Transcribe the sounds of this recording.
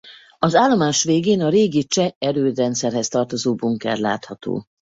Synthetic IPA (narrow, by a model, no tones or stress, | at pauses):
ɒzaːlːo̞maːʃʋeːɡeːnɒɾeːɡit͡ʃɛɛɾøːd̪rɛnt̪sɛrɦɛst̪ɒrt̪ozoːbuŋkɛ̰rla̰ːt̪hɒt̪o̰ː